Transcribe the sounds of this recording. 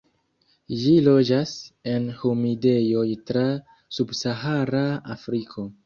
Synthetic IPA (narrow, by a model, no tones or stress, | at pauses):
d͡ʒilo̞d͡ʒase̞nhumide̞jo̞jtɾa | subsaɦaɾaafɾikʰo̞